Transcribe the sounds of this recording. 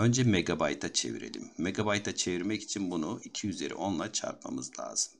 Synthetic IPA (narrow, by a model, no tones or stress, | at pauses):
ø̞nd͡ʒɛmeɡabajt̪ʰat͡ʃʰe̞̰vḭɾe̞̰lʲḭmːe̞ɡabajt̪ʰat͡ʃʰe̞viɾmɛci̥t͡ʃʰinbunuicʰiyze̞ɾḭʔo̞nlˠat͡ʃʰa̰ɾt̪̚ma̰mɯzlʲˠa̰ːz̥ɯm